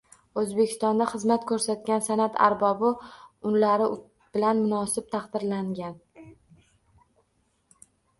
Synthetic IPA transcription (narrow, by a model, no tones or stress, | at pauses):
ɵzbekʲʰɪ̥st̪ɒnd̪aχɨzmat̪̚kʰɵɾsat̪̚kʲansanat̪ʰa̰ɾbɒbɪʊnlaɾɪ | b̥ɪlanmʊnɒsɪp̚t̪ʰɑχd̪ɪɾlaŋɡʲan